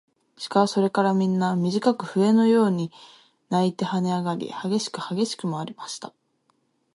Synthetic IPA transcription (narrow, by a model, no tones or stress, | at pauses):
ɕi̥kaso̞ɾe̞kaɾamʲĩnːamʲiʑikakɯ̟ɸɯ̟e̞no̞jo̞ːɲ̟i | nait̪e̞hane̞aɡaɾʲḭhaɡe̞ɕi̥kɯ̟haɡe̞ɕi̥kɯ̟maːɾʲimaɕi̥t̪ḁ